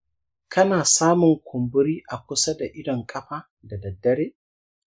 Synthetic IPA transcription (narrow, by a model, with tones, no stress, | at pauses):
kɐ˦naː˨saː˦mʊ˨ŋkʷʰʊ˨mbʊ˦ɾiː˦ʔa˨kʷʊ˦sa˦da˨ʔɪ˦dɔ˨ŋkʼɐ˦ɸaː˦ | da˨dɐ˨dːɐ˦ɾeː˦